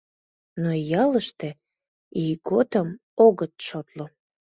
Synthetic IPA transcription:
nojɑləʃt̪e | iɡot̪əm | oɣət̪ʃot̪lo

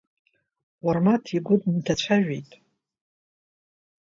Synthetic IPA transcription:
warmatʰiɡʷʊdntʰat͡ɕʷʰaʒᶣejtʼ

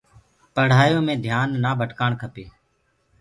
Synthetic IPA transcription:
pəɽ̤aːjõːmẽːd̪ʱjaːnːaːbʱəʈkaːɳkʰəpeː

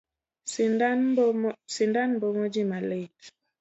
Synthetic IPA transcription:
sindanbɔmod͡ʒimale

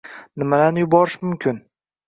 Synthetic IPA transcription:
nɪmad̪anjʊbɒɾɪʃmʊmkʲʰɪn

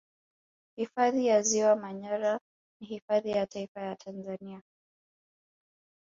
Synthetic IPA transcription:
hifaðijaziwamaɲaɾa | nihifaðijataifajatʰanzania

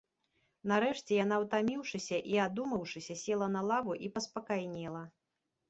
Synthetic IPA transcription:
nɐɾɛʂt͡sʲɛjan̪awt̪amʲiwʂɨsʲɐʔiad̪umɐwʂɨsʲɐsʲɛlˠɐnɐlˠavuʔipɐspɐkajnʲɛlˠɐ

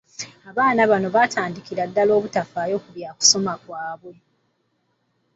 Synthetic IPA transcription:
aβaːnaβano̞βatʰaːndikiɾadːalo̞ːβutafaːjo̞kuβjaːku̥so̞makwaːβwe̞

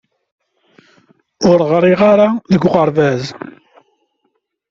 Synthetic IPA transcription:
ʊɾʁɾˤiʁaɾaðəɡʁəɾvæð

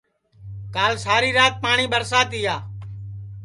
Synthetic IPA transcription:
kaːlsaːɾiːɾaːt̪̚paːɳiːbəɾsaːt̪ɪjaː

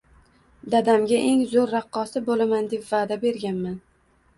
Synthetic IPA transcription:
d̪ad̪amɡʲaʔe̞ŋzoɾːɑqːɒsɪbolamand̪e̞pvaːd̪abe̞ɾɡʲanman

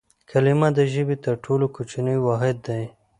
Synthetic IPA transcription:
kʰalɪmad̪əʒəbet̪əɾʈʰolokot͡ʃinəjwɑɦɪd̪ːaj

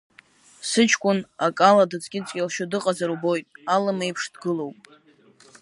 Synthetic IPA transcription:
sɨt͡ʃʰkʷʼʊnakʼaladɨt͡sʼɡʲɪt͡sʼkʲʼalʃʊdɨqʼazaɾubo̞jtʼalɨmejpʰʂd̥ɡɨlo̞wpʼ

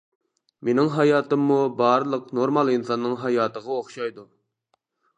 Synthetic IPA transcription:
menɪŋɦɑjɑːt̪ɨmːubɑɾlˠəqnoɾmɑlˠinsɑnːɨŋɦɑjɑːt̪əʁɑoχʃɑjd̪u

